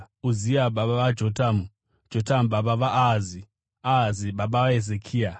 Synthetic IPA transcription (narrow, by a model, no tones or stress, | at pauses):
uziaɓaɓaʋad͡ʒotamu | d͡ʒotamuɓaɓaʋaʔazi | aziɓaɓaaezekʰiːa